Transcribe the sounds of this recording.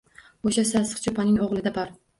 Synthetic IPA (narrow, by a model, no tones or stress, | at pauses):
oʃasasɨ̥qt͡ʃʰopʰanɪŋɒʁlˠɪd̪abɒɾ